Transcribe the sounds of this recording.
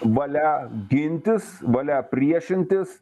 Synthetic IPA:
ʋɐlʲæɡʲɪnʲt̪ʲɪsʋɐlʲæpʲɾʲiɛʃʲɪnʲt̪ʲɪs

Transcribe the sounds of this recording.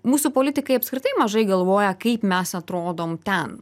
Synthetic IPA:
muːsupoːlʲɪt̪ʲɪkɐɪɐpskɾʲɪt̪ɐɪmɐʒɐɪɡɐlˠʋoːjɛkɐɪpmʲɛsɐt̪ɾoːd̪oːmt̪ʲɛn

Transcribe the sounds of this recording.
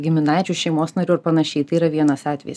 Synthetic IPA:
ɡʲɪmʲɪnɑɪt͡ʃʲuːʃʲɛɪmoːsnɐɾʲuːɐɾpɐnɐʃʲɛɪt̪ɐɪiːɾɐʋʲiɛnɐsɑːt̪ʲʋʲɛ̰jɪs

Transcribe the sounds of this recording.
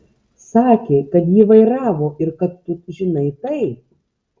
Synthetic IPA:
sɑːkʲeːkɐt̪jiːʋɐɪɾɑːʋoːɪɾkɐt̪ːʊʒʲɪnɐɪt̪ɐɪ

